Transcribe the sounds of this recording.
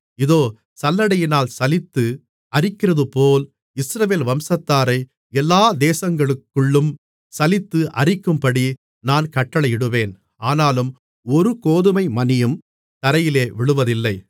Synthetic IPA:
ɪðoː | sɐlːɐɽɐjɪnaːlsɐlɪt̪ːɯ | ʔɐrɪkːɪrɐðɯpoːl | ɪsɾɐʋeːlʋɐmsɐt̪ːaːɾɐɪ | ɛlːaːd̪eːsɐŋɡɐɭɯkːɯɭːɯm | sɐlɪt̪ːɯʔɐrɪkːɯmpɐɽi | naːnkɐʈːɐɭɐjɪɽɯʋeːn | aːnaːlɯm | ɔɾɯkoːðɯmɐɪmɐnɪjɯm | t̪ɐɾɐjɪleːʋɪɭɯʋɐðɪlːɐɪ

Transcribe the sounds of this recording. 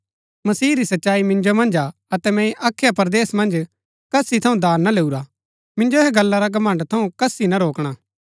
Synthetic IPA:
mɐsiːɾisɐtːʃaːimɪ̃nd͡ʒomɐ̃nd͡ʒa | ɐt̪ɛmɛ̃iʔaːkʰːjapɐɾd̪eːsmɐ̃nd͡ʒ | kɐsit̪ʰɐũd̪ʱaːnːaleːuɾa | mɪ̃nd͡ʒoɦeɡɐlːaɾaɡɐmɐ̃ɳɖt̪ʰɐũkɐsːinaɾoːkɽ̃aː

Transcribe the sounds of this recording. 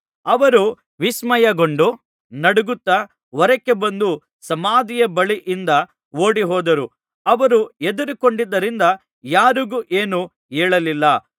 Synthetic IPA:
ɐʋɐɾu | ʋismɐjɐɡoɳɖu | nɐɽuɡut̪ːɐ | ʋɔɾɐkːe̞bɐnd̪u | sɐmaːd̪ijɐbɐɭiʔind̪ɐ | oːɽiɦɔːd̪ɐɾu | ɐʋɐɾue̞d̪uɾikoɳɖid̪ːɐɾind̪ɐ | jaːɾuɡuːʔeːnu | eːɭɐlilːɐ

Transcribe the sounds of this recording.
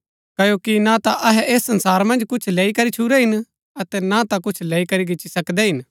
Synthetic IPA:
kɐjokinat̪aʔɐɦɛʔeːsːɐnsaːɾmɐ̃nd͡ʒkʊt͡ʃʰleːikɐɾit͡ʃʰuɾɛɦɪn | ɐt̪ɛnat̪akʊt͡ʃʰleːikɐɾiɡɪt͡ʃːisɐkd̪ɛɦɪn

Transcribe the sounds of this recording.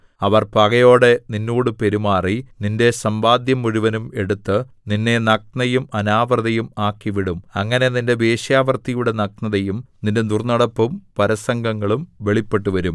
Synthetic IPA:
ɐʋɐrpɐɣɐjo̞ːɽe̞ninːuːɽupe̞ɾumaːrininde̞sɐmbaːd̪jɐmːuɾuʋɐnume̞ɽut̪ːɨ | ninːe̞nɐk̚nɐjumɐnaːʋrɐðɐjumaːkːiʋiɽumɐŋːɐne̞ninde̞be̞ːʂjaːʋɐrt̪ːijuɽe̞nɐknɐðɐjumninde̞nurnɐɽɐpːumpɐɾɐsɐŋɡɐŋːɐɭumʋe̞ɭipːe̞ʈːuʋɐɾum

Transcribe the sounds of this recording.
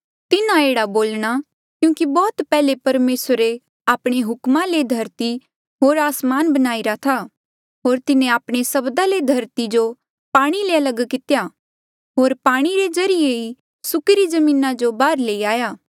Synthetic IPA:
t̪ɪnãeːɽaboːlɽ̃a | kjũːkibɔːt̪pɛːlepɐɾmeːsɾe | aːpɽ̃eɦʊkmãled̪ʱɐɾt̪i | ɦoːɾaːsmaːnbɐnaːiɾat̪ʰa | ɦoːɾt̪ɪnẽaːpɽ̃esɐbd̪aled̪ʱɐɾt̪id͡ʒo | paːɽ̃ileɐlɐɡkɪt̪ja | ɦoːɾpaːɽ̃iɾezɐɾɪjei | sʊkɾid͡ʒɐmĩːnad͡ʒobaːɾleiaːjaː

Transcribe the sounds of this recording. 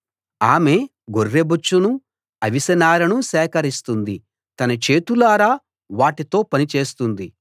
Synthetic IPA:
aːme̞ | ɡorːebut͡ʃːunu | ɐʋisɐnaːɾɐnusɛːkɐɾist̪und̪i | t̪ɐnɐt͡ʃe̞ːt̪ulaːɾaː | ʋaːʈit̪o̞ːpɐnit͡ʃe̞ːst̪und̪i

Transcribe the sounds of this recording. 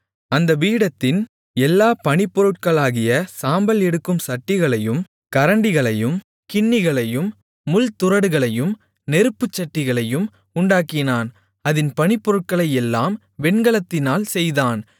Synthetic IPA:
ɐnd̪ɐʋiːɽɐt̪ːɪn | ɛlːaːpɐɳɪpːɔɾɯʈ̚kɐɭaːɣɪjɐsaːmbɐlɛɽɯkːɯmsɐʈːɪɣɐɭɐjɯm | kɐɾɐɳɖɪɣɐɭɐjɯm | kɪɳːɪɣɐɭɐjɯmː | ʊlt̪ʊɾɐɽɯɣɐɭɐjɯm | nɛɾɯpːɯt͡ʃːɐʈːɪɣɐɭɐjɯm | ʊɳɖaːkɪnaːn | ɐðɪnpɐnɪpːɔɾɯʈ̚kɐɭɐjɛlːaːm | ʋɛɳɡɐɭɐt̪ːɪnaːlsɛjðaːn

